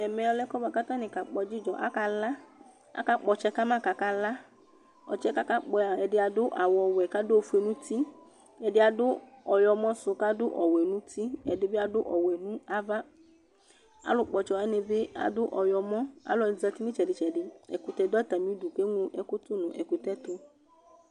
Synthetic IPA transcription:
ɛ˨mɛ̃˨ɔ˧˨lɛ˦kɔ˦ba˨ka˦t̪a˦nɪ̃˨ka˨k͡pɔ˧d͡ʒi˦d͡ʒɔ˨ʔa̰˦ka˧la˦ | a̰˦ka˦k͡pɔ˨t͡ʃɛ˦ka˦mã˦˨ka˨ka˦la˦ | ɔ̰˨t͡ʃɛ˦ka˦ka˦k͡pɔ˧a˨ɛ˨dɪ˦a˨dʊ˦ʔa˨wɔ˨wɛ˨ka˦dʊ˦o˨fu˦e˨nũ˦t̪i˦ | ɛ˨dɪ˦a˨dʊ˦ɔ˨jɔ˧mɔ̃˦sʊ˧ka˦dʊ˦ʔɔ˨wɛ˨nũ˦t̪i˦ɛ˨dɪ˨bɪ˦a˨dʊ˦ʔɔ˨wɛ˨nũ˦a˦va˦ | a̰˨˦lʊ˨k͡pɔ˨t͡ʃɔ˨a˦nɪ̃˨be˦a̰˨dʊ˦ʔɔ˨jɔ˨mɔ̃˦a̰˨˦lɔ˨zɛ˧t̪i˦nɪ̃˦t͡ʃɛ˨dɪ˨t͡ʃɛ˨ɖɪ˨ɛ̰˨ku˨t̪ɛ˨d̪ʊ˦ɛ˦t̪a˨mĩ˨˦du˨ke˦ŋũ˦ʔɛ˨kʊ˦tʊ˦nʊ̃˨ʔɛ˨ku˨t̪ɛ˦t̪ʊ˦

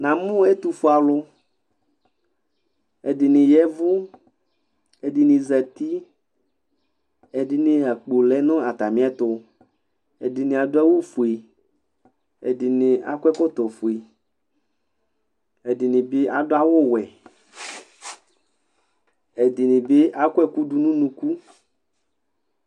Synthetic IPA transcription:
nã˨mũ˦e˦t̪u˨fu˦a˨lʊ˦ | e˨di˨nĩ˨jɛ˦vʊ˦ | e˨di˨nĩ˨zɛ˨t̪i˦ | e˨di˨nĩ˨a˨k͡po˨lɛ˦nɔ̃˦a˨t̪a˨mĩ˦ɛ˦t̪ʊ˦ | ḛ˨di˨nĩ˨a˨dʊ˦a˦wo˦fu˨e˨ | ḛ˨di˨nẽ˨ʔa̰˨kʷɛ˦kɔ˦t̪ɔ˨fu˨e˨ | e˨di˨nĩ˨be˦ʔa˨do˦a˦wo˦wɛ˨ | ɛ˨di˨nĩ˨be˦ʔa˦ko˦ɛ˦ku˦du˦nũ˦nũ˦ku˦

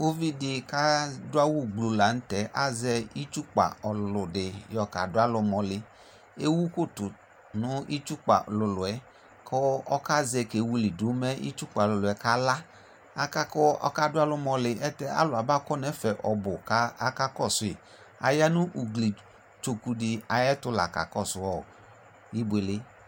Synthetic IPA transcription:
o˦vi˦dɪ˧ka˦dʊ˦a˦wu˦˨ɡ͡blu˨la˨n̩˦tɛ˨˦ʔa˦˨zɛ˧i˦t͡ʃu˦k͡pa̰˨ɔ˨llʊ˨dɪ˨jɔ˧ka̰˨dʊ˦a˦lʊ˧mɔ˧lɪ˨ | e˦wu˦ko˦˨tʊ˨ | nʊ˦i˦t͡ʃu˦k͡pa̰˨ʔɔ˨lʊ˧lʊ˨ɛ˨˦ | kʰɔ˦ɔ˦ka˦zɛ˧ke˨wu˧li˨du˨˦mɛ˦ḭ˦t͡ʃu˦k͡pa˨lʊ˨lʊ˨ɛ˨ka˦la˦ | a˧ka˦kɔ˦ɔ̰˧ka˦˨dʊ˦a˦lʊ˧mɔ˧lɪ˧ʔɛ˦tɛ˧˦a̰˦lʊ˨a˨ba˦kɔ˦nɛ˨˦fɛ˨ʔɔ˧bʊ˨ka˨˦a˦ka˦kɔ˦˨sʊ˨ɪ˨ | a̰˨ja˦nu˦ʔu˨ɡli˨ | t͡ʃo˧ku˧dɪ˧a˨jɛ˦tʊ˦la̰˨ka̰˨kɔ˦˨sʊ˨ɔ˨ | i˦be˧le˧˦

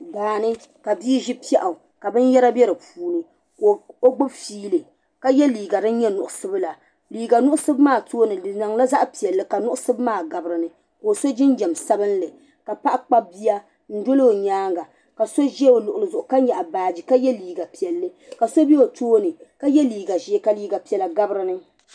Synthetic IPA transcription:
ɡaː˨nɨ˦ | ka˨bi˦ʒɪ˦pi˦ɛ˦ʔa˨ka˨bɨ˦n˦jɛ˦ɾa˦bɛ˦ɾɨ˨puː˦nɨ˨ | ko˨o˦ɡ͡bʊ˦bfiː˦lɨ˨ | ka˦jɛ˦liː˨ɡa˨dɨ˦n˦ɲɛ˦nʊ˨ʔʊ˨sɨ˦bɨ˦la˨ | liː˨ɡa˨nʊ˦ʔʊ˦sɨ˦bmaː˦˨toː˦nɨ˨ɨ˨na˨ŋla˦za˦ʔpi˨ɛ˨lːɨ˦ka˨nʊ˦ʔʊ˦sɨ˦bmaː˦˨ɡa˨bɾɨ˨nɨ˨ | ko˨so˦d͡ʒɪ˦nd͡ʒɛ˨msa˦bɨ˦n˦lɨ˨ | ka˨pa˦ʔa˦k͡pa˦bi˦ja˦ | n̩˦do˦lo˦o˨ɲaː˦ŋɡa˨ | ka˨so˦ʒɛ˦o˨lʊ˨ʔʊ˨lɨ˨zʊ˨ʔʊ˨ka˦ɲ˦ɲɛ˨ʔa˨baː˨d͡ʒi˨ka˦jɛ˦liː˨ɡa˨pi˨ɛ˨lːɨ˦ka˨so˦bi˦o˨toː˦nɨ˨ka˦jɛ˦liː˨ɡa˨ʒɛ˦ka˦liː˦ɡa˨pi˨ɛ˨la˨ɡa˦bɾɨ˦nɨ˦

